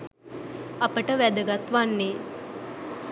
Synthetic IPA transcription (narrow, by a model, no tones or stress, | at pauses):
ɐpəʈəʋæd̪əɡat̪ʋanːe